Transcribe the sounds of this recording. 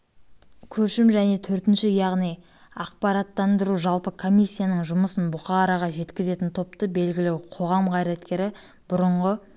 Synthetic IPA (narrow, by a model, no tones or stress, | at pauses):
kʲʰɵʃɪmʒæne̞t̪ʰɵɾt̪ɪnʃɪjɑʁnij | ɑq̚pɑɾɑt̪ːɑnd̪əɾuʒɑlˠpəkʰo̞mʲijsʲːijanəɴʒʊməsənbʊχɑɾɑʁɑʒe̞t̪kʲɪze̞t̪ɪnt̪ʰo̞p̚t̪əbe̞lɡʲɪlewqʰo̞ʁɑmqɑjɾet̪kʲe̞ɾɪ | b̥ʊɾəɴʁə